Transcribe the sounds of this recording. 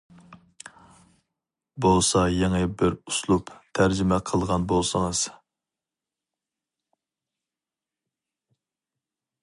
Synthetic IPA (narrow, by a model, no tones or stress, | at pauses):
bolˠsɑjɛŋəbɪɾuslˠupt̪ʰæɾd͡ʒɪmɛqʰəlˠʁɑnbolˠsəŋəz̥